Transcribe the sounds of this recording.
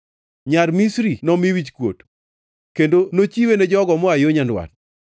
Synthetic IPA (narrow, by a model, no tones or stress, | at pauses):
ɲarmisɾinɔmiwit͡ʃkwo̰t | kendonot͡ʃiwened͡ʒɔɡɔmɔajoɲandwa̰t̚